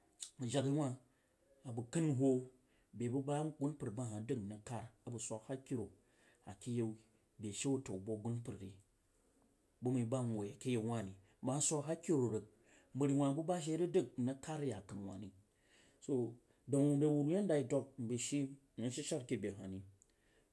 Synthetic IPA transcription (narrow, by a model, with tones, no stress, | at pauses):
d͡ʒa˨ɡi˦wa˦ | a˨bu˨kɨ˦nɦo˦ | be˨bu˦ba˦ɡu˦npɨ˨ɾba˦ɦa˨də˦˨kna˨ka˦ɾa˨bu˨sʷa˨kha˦ki˦ɾo˨ | a˨ki˦je˦w | be˨ʃe˦wu˦to˨wbo˦ɡu˦npɨ˨ɾɾi˨ | bu˦mə˨˦ba˦n˨o˨a˨ki˦je˦˨˦wa˦ni˨˦ | ba˨˦sʷa˦kɦa˦ki˦ɾo˨ɾə˨k̚ | mbə˨ɾi˨wa˨bu˦ba˦ʃ̬e˦ɾi˦də˦k̚na˦ka˦ɾi˦ja˨kɨ˨nwa̰˨ni˨ | so˦ | da˨wu˨de˨wu˨ɾu˨˦ja˦n˦da˨i˦do˦k̚m̩˨be˨ʃi˦˨ | nu˦ʃi˦ʃa˦ɾki˦be˨ɦa̰˨ni˨